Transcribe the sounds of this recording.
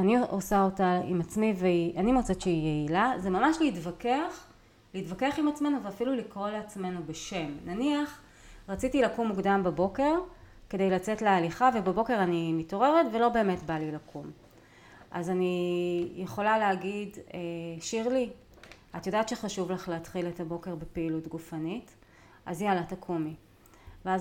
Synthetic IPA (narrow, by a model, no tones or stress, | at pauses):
aniosaotaḭmat͡smiveiʔanimot͡seʃeijeilazemamaʃleitvakeaχ | liitvakeaχimat͡sme̞nuveafilulikʁolat͡sme̞nubeʃe̞mnaniaχ | ʁat͡sitilakumːuɡdambabo̞ke̞ʁke̞de̞jlat͡se̞tlealiχavebebo̞ke̞ʁanimito̞ʁe̞ʁetve̞lo̞be̞ːme̞tbalilakum | ʔa̰zanijeχo̞laleaɡideʃiʁli | atjodaːtʃeχaʃuvlaχleːtχiletabo̞ke̞ʁbepeilutɡufanit | ʔazjalatakʰumi | veaz